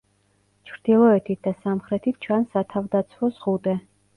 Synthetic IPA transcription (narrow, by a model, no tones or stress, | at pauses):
t͡ʃʰɾd̪̥ilˠɔɛt̪ʰit̪̚ʰd̪asamχɾɛt̪ʰit̪̚ʰt͡ʃʰansat̪ʰavd̪at̪sʰwɔzʁut̪ʼɛ